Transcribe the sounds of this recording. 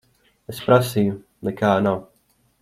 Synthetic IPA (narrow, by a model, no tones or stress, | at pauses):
espɾasiju | nekaːnaw